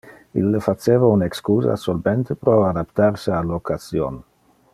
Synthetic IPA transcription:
ḭlːefat͡ʃeːvaunekskuːza̰solbent̪epɾɔad̪apt̪aɾsealokazjo̰n

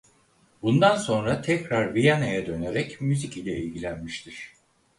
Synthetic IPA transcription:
bund̪anso̞nɾat̪ʰɛcɾaɾvijanajad̪ø̞ne̞ɾɛcmyzicilʲɛilʲɡɟilʲænmiʃt̪ʰiɾ̥

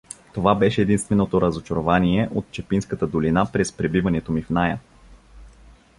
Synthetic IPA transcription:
t̪ovabɛʃɛːd̪inst̪vɛnot̪oɾəzot͡ʃɐɾovaniɛʔot̪̚t͡ʃɛpinskət̪əd̪olinapɾɛspɾɛbivɐnɛt̪omifnajə

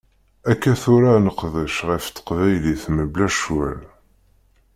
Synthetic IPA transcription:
ækːæθʊɾanəqːðəʃʁəft̪ːə̥qvæjliθməblæʃwæl

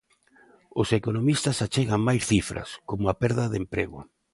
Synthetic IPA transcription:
osekonomist̪ɐsat͡ʃeɣaŋmajsθifɾɐ̰skomʊapɛɾðɐðempɾeɣʊ̰

